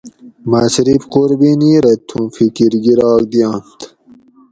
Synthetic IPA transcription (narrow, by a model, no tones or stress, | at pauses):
masɾifquɾbiniɾɐt̪ʰufikiɾɡiɾɑːk̚d̪ijɑːnt̪